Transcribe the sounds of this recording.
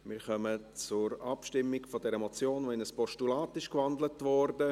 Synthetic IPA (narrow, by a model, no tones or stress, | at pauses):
mɪːɾχœmə | t͡sʊɾɑpʃtɪmːɪɡfɔdɛɾəmɔt͡sjoːnʋoɪnəspɔʃtulaːtɪʃkʋɑndlətʋɔɾdə